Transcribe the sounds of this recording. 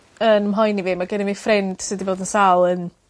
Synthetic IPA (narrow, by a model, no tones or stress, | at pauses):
ənəmɦɔjnivɨmaɡɛnɛvifrɛnd̥sɨːdivoːdənsalˠən